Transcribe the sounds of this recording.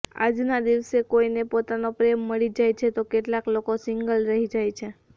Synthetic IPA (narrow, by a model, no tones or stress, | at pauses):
a̰d͡ʒnad̪iʋsekoinepot̪anopɾemːəɭid͡ʒajt͡ʃʰet̪okeʈlaklokosɪŋɡəlɾəɦid͡ʒajt͡ʃʰe